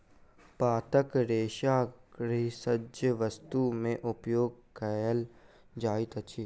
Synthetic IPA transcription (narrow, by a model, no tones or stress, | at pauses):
paːt̪əkɾeːʃaːkɾɪsəd͡ʒjəʋəst̪umẽʔʊpjoːɡ̚kəjəl | d͡ʒaːit̪ət͡ʃʰiː